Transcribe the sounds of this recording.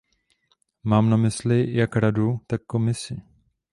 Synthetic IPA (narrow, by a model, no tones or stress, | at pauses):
maːmnamɪslɪjakɾadut̪akːomɪsɪ